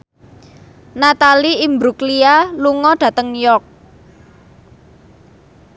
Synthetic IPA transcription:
nat̪aliimbɾuklialuŋɔɖ̥ä̤t̪əŋjɔk̚

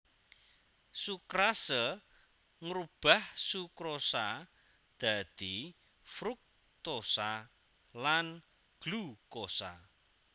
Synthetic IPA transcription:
sukɾasə | ŋɾub̥a̤hsukɾosa | d̪̥a̤d̪̥i | fɾuk̚ | t̪osa | lan | ɡ̥lukosa̰

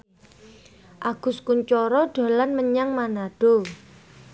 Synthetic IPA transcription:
ʔaɡ̥ʊ̤skuɲt͡ʃɔɾɔɖ̥a̤lanməɲaŋmanaɖ̥o

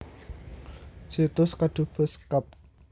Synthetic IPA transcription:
d͡ʒ̥it̪ʊskad̪̥ṳb̥əskap̚

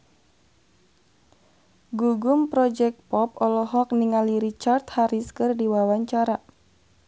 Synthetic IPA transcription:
ɡuɡumpɾɔd͡ʒɛk̚t̪̚pɔpɔlɔɦɔk̚niŋaliɾit͡ʃart̪haɾiskɨrdiwawaɲt͡ʃaɾa

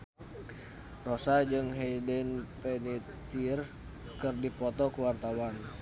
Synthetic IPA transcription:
rɔsad͡ʒɨŋɦɛdɛnpɛnit̪ir | kɨrdipɔt̪ɔkuwart̪awan

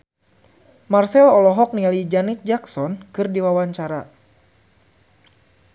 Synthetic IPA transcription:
marsɛlɔlɔɦɔk̚nialid͡ʒanit̪̚d͡ʒaksɔnkɨrdiwawaɲt͡ʃaɾa

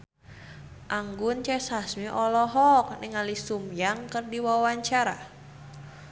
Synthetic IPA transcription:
ʔaŋɡʊnt͡ʃɛsasmiʔɔlɔɦɔk̚nɪŋalisumjaŋkərdiwawaɲt͡ʃaɾa̰

